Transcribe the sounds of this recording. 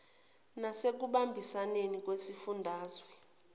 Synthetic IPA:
nasek̬uɓambʱisanenik̬ʼwesifundʱaːzwɛ

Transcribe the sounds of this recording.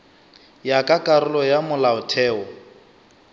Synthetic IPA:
jakʼakʼaɾʊlɔjamʊlaʊtʰɛːɔ

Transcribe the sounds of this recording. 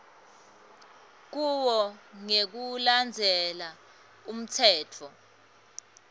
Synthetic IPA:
k̬uwɔŋek̬uland͡zʱɛla | um̩tʰɛːtʰɔ

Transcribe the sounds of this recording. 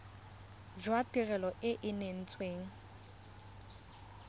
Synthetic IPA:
d͡ʒwatʼirɛlɔʔɪʔɪnen̩t͡sʼweːŋ̩

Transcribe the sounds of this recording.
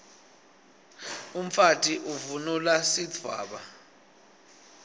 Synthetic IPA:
um̩fatʼiʔuvunulasitwa̰ːɓa

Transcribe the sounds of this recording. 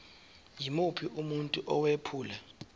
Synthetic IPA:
jimupʰiʔumuntʼuʔɔwepʰuːla

